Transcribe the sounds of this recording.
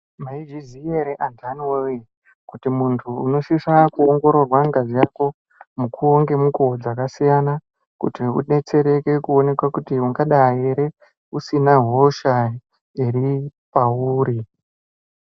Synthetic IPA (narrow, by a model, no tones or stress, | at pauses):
maid͡ʒizieɾeʔantʰanwewi | kutimuntʰuːno̞ʃiʂakuoŋɡo̞ɾo̞rwaŋɡazijako̞ | mukʰuoŋɡe̞mukod͡zakasijana | kṵtiṵne̞t͡se̞ɾe̞ke̞kuo̞ne̞kwakutiuŋɡaɗajeɾe̞ | usinaɦo̞ʃa | iɾipauːɾi